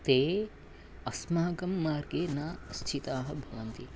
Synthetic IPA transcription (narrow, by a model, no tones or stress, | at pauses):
t̪eː | ɐsmaːɐɡɐmːaːɾɡeːnaːst͡ʃʰit̪aːɦɐ̆bʱɐʋɐnt̪i